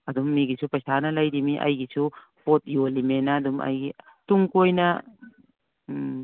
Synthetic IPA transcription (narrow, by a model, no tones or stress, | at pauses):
ɐdumːiɡisʰupɐsanɐlɐjdimiʔɐ̰jɡisu | pot̚ijolimenɐdumɐ̰jɡi | tuŋkojnɐ